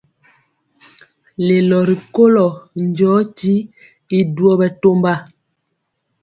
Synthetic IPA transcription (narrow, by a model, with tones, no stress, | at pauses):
le˨lɔ˨ɾi˨ko˦lɔ˨nd͡ʒɔː˨˦ti˦ | i˨du˨˦ɔ˦bɛ˨to˦mba˦˨